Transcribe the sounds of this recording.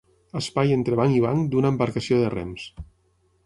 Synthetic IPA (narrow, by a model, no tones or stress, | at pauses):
əspajent̪ɾeβ̞aŋiβaŋd̪unəːmbaɾkasioðərɛ̰ms